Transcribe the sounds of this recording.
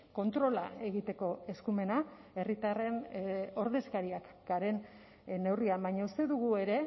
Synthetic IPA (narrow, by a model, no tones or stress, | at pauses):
ko̞nt̪ɾo̞lae̞ɣit̪e̞ko̞e̞skume̞nae̞rit̪are̞no̞ɾðe̞skaɾiakɡ̥aɾe̞n | ne̞wriambaɲaust̪e̞ðuɣue̞ɾe̞